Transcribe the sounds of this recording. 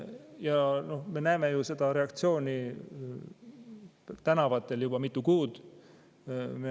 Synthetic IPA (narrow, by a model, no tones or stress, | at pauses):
jɑno̞hme̞næeme̞juse̞d̪̥ɑɾe̞ɑkt̪sio̞ːnʲi | t̪ænɑvɑt̪ːˑe̞ljub̥ɑmit̪ːˑukuːd̪̥ | me